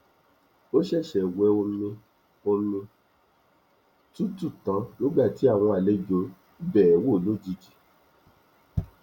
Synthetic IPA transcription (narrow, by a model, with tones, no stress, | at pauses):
o˦ʃɛ˦˨ʃɛ˨wɛ˧˦o˧nũ˧ | o˧nũ˧ | tu˦tu˦˨tã˨˦nĩ˦ɡ͡ba˦˨ti˨˦a˦˨w̃ɔ̃˧a˨le˨˦d͡ʒo˨˦ | bɛː˦˨wo˦˨lo˨˦d͡ʒi˧d͡ʒi˨